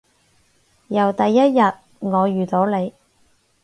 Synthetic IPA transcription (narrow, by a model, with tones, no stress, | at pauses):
jɐ˨˩wt̪ɐ˨jːɐ˥t̚jɐ˨t̚ | ŋɔː˨˧jyː˨˩t̪o˨˥wle˨˧j